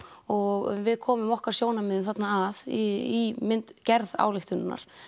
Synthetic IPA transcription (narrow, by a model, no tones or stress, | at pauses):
ɔɣvɪðkʰɔːmʏmɔhkaɾ̥sjoːwnamɪðʏmθat̪naːðiimɪnt̪cɛɾða̰ːwlɪxt̪ʏnnːa̰ɾ̥